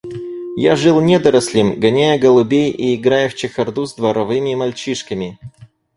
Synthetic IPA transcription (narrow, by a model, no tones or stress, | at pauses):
jaʐɨlˠnʲɛd̪ɐɾɐsʲlʲɪmɡɐnʲæjəɡəlˠʊbʲejiɪɡɾajəft͡ɕɪxɐrd̪uzd̪vɐɾɐvɨmʲɪmɐlʲt͡ɕiʂkəmʲɪ